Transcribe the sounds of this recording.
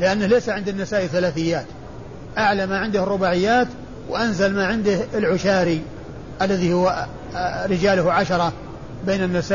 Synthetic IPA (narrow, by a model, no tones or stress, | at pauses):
lɪʔanːalejsaʕɪnd̪nːɪsaːʔiθalaːθɪjːaːt̪ | ʔaʕlamaʕɪnd̪ʊhrˤːʊbaːʕɪjːaːt̪ | wʔanzalmaʕɪnd̪ɪhɪlʕʊʃaːɾi | ʔalːaðihʊw | ɾɪd͡ʒaːlʊhʕaʃɑɾˤɑ | beːnɪnːɪsaː